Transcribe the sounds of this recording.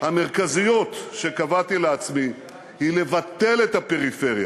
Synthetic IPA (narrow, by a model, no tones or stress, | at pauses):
hame̞ʁkazijo̞t̪ʃe̞kavat̪ileat͡smi | hile̞vat̪e̞let̪ape̞ʁife̞ʁja̰